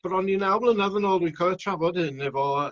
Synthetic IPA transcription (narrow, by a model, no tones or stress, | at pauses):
b̥əɾɔnːinawlˠənəðənɔːlˠdwinkʰaətʰravɔd̥hɨnːɛvɔ